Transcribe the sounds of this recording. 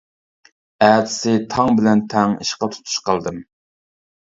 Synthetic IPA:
æd̪ɪ̥sɪt̪ʰɑŋbɪlɛnt̪ʰɛŋḭʃqɑt̪ʰu̥t̪ʰu̥ʃqəlˠd̪ɨm

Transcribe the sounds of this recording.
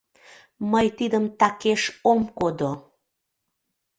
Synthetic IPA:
məjt̪id̪əmt̪ɑkeʃomkod̪o

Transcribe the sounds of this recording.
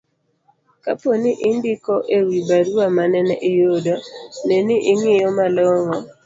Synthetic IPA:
ka̰poniʔɪndikɔʔewibaɾuamanɛnɛʔɪjodɔnɛniʔɪŋɪjɔmalɔŋɔ

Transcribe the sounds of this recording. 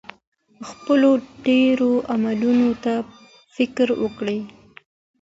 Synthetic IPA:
xpəloɖeɾoʔamalunot̪a | fɪkɾwə̰kɽej

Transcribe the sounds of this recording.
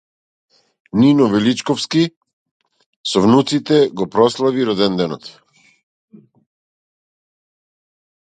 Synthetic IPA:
ninɔvɛlit͡ʃkɔfski | sɔvnut̪sit̪ɛɡɔpɾɔslˠaviɾɔd̪ɛnd̪ɛnɔt̪

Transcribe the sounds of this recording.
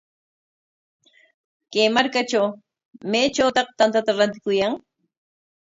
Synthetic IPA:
kajmaɾkat͡ʃaw | mejt͡ʃawt̪ɑqt̪ant̪at̪aɾant̪ɪ̥kʊjaŋ

